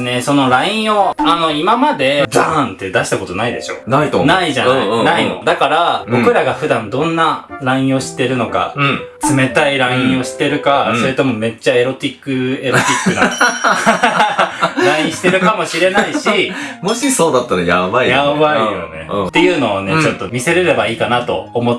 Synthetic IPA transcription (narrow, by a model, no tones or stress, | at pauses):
ne̞so̞no̞ɾaĩɰ̃o̞ano̞imamad̪e̞d͡zãnt̪ːe̞d̪aɕi̥t̪ako̞t̪o̞naid̪e̞̰ɕo̞̰nait̪naiʑannaino̞̰d̪akaɾabo̞kɯ̟ɾaɡaɸɯ̟d̪ãnd̪õ̞nːaɾaĩɰ̃o̞ɕi̥t̪ːe̞ɾɯ̟no̞ka̰t͡sɨme̞t̪aiɾaĩɰ̃o̞ɕi̥t̪ːe̞ɾɯ̟kaso̞ɾet̪o̞mo̞me̞t͡ɕːae̞ɾo̞t̪ʲikːɯe̞ɾot̪ʲikːɯ̟n | ɾãĩɕi̥t̪eɾɯ̟kamo̞ɕiɾe̞naiɕimoɕiso̞ːd̪at̪ːaɾajabaijaβaijone̞̰t̪ːe̞jɯ̟ːno̞ːne̞t͡ɕo̞t̪ːo̞mʲise̞ɾe̞ɾe̞baiːkanat̪o̞̰ːmo